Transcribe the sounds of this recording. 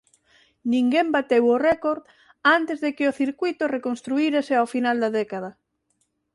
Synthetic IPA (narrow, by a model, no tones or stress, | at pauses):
nĩŋɡembat̪ewʊrɛkoɾð | ant̪ezðekɪoθiɾkwujt̪orekonst̪ɾuiɾasɪawfinald̪ɐðɛkað̞ɐ